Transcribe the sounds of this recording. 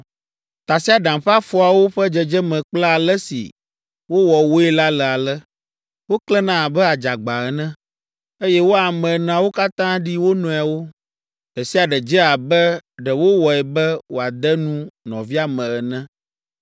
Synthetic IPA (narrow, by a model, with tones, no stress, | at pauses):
t̪a˨si˦a˨ɖã˨mɸa˦fɔ˦a˨wo˦ɸɛ˦d͡ʒɛ˨d͡ʒɛ˦mɛ̃˨k͡pla˦a˨lɛ˦sḭ˨ | wo˦wɔ˨wo˦ɛ˦la˦lɛ˨a˨lɛ˦ | wo˦klɛ˦nã˦˨bɛ˦a˨d͡ʒa˨ɡ͡ba˨ɛ˨nɛ̃˦ | e˦jɛ˦wo˦a˨mɛ̃˨ñ˨a˨wo˦ka˦t̪ã˦ɖi˦wo˦nɔ̃˨a˨wo˦ | ɖɛ˨si˦a˨ɖɛ˨d͡ʒɛ˦a˨bɛ˦ɖɛ˨wo˦wɔ˨ɛ˨bɛ˦wo˨a˨d̪ɛ˦nũ˦nɔ̰̃˨vi˦a˨mɛ̃˨ɛ˨nɛ̃˦